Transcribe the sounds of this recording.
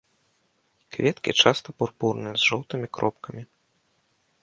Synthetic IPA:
kvʲɛt̪kʲḭt͡ʂast̪ɐpurpurnɨjɛzʐɔwt̪ɨmʲikɾɔp̚kɐmʲi

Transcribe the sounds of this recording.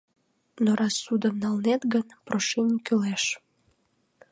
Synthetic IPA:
noɾɑsːud̪əmnɑlnet̪ɡənproʃinʲkøleʃ

